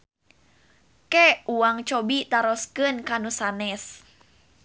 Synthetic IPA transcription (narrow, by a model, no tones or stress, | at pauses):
kɛuaŋt͡ʃɔbit̪aɾɔskɨnkanusanɛs